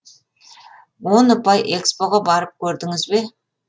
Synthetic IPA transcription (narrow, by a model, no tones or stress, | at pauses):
wo̞nʊpɑjʔe̞kspo̞ʁɑbɑɾəp̚kʲʰɵɾd̪ɪŋɪzbe̞